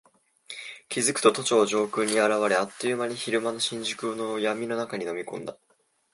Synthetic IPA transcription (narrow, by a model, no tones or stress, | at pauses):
kʲizɨkɯ̟̥t̪o̞t̪o̞t͡ɕoːʑo̞ːkɯ̟ɲ̟ːiaɾaβaɾe̞at̪ːojɯ̟maɲ̟içiɾɯ̟mano̞ɕĩɲ̟d͡ʑɨkɯnojamʲino̞nakaɲ̟ino̞mʲikõ̞nd̪a